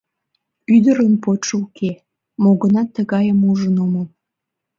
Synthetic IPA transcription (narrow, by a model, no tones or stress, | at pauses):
yd̪əɾənpot͡ʃukʰe | moɣənɑt̪ːəɣɑjəmuʒənomə